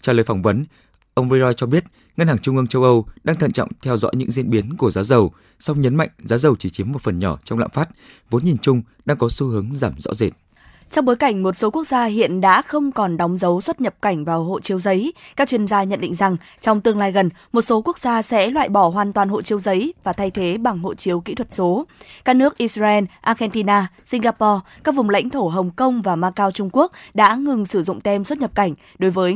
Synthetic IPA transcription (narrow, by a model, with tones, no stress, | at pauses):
t͡ɕɛ˧ləː˨˦jfa˧˩wŋ͡mvə˨˦n | ʔə˧wŋ͡mɹi˧zɔ˧jt͡ɕɔ˧ɓi˦˥ət̚ | ŋə˧nhaː˨˩t͡ɕʊ˧ŋ͡mʔɨ˧əŋt͡ɕə˧wʔə˧wɗaː˧ŋt̪ʰə̰˧˨nt͡ɕɔ̰˧˨wŋ͡mt̪ʰɛ˧wzɔ̰˧˥jɲɨ̰˧˥ŋzḭ˧ənɓi˨˦ənku˧˩əzaː˨˦wzə˨˩w | sa˧wŋ͡mɲə˨˦nma̰˧˨jŋ̟zaː˨˦wzə˨˩wt͡ɕi˧˩t͡ɕi˨˦əmːo˨˩t̚fə˨˩nɲɔ˧˩t͡ɕɔ˧wŋ͡mla̰ː˧˨mfaː˦˥t̚vo˨˦nɲi˨˩nt͡ɕʊ˧ŋ͡m | ɗaː˧ŋkɔ˨˦su˧ɦɨ˨˦əŋzaː˧˩mzɔ̰˧˥ze˨˩t̚ | t͡ɕɔ˧wŋ͡mɓo˨˦jka˧˩jŋ̟mo˨˩t̚so˨˦kək̚zaː˧ɦḭ˧˨ənɗa̰ː˧˥xə˧wŋ͡mkɔ˨˩nɗɔ˨˦wŋ͡mzə˨˦wswə˦˥t̚ɲə˨˩p̚ka˧˩jŋ̟vaː˨˩wɦo̰˧˨t͡ɕi˧əwzə˨˦jkaː˦˥k̚t͡ɕwi˧ənzaː˧ɲə̰˧˨nɗḭ˧˨ŋ̟za˨˩ŋ | t͡ɕɔ˧wŋ͡mt̪ɨ˧əŋlaː˧jɣə˨˩nmo˨˩t̚so˨˦ku˦˥ək̚zaː˧sɛ̰˧˥lwa̰ː˧˨jɓɔ˧˩ɦwaː˨˩nt̪waː˨˩nho̰˧˨t͡ɕi˧əwzə˨˦jvaː˨˩t̪ʰa˧jt̪ʰe˨˦ɓa˨˩ŋɦo̰˧˨t͡ɕi˨˦əwkḭ˧˥t̪ʰwə˨˩t̚so˨˦kaː˦˥k̚nɨ˦˥ək̚ʔi˧szaː˧ʔɛ˧nʔaː˧ɣɛ˧nt̪i˧naː˧ | si˧ŋ̟ɣaː˧pɔ˧kaː˦˥k̚vʊ˨˩ŋ͡mla̰˧˥jŋ̟t̪ʰo˧˩ɦə˨˩wŋ͡mkə˧wŋ͡mvaː˨˩maː˧kaː˧wt͡ɕʊ˧ŋ͡mku˦˥ək̚ɗa̰ː˧˥ŋɨ˨˩ŋsɨ˧˩zʊ̰˧˨ŋ͡mt̪ɛ˧mswə˦˥t̚ɲə˨˩p̚ka˧˩jŋ̟ | ɗo˨˦jvəː˨˦j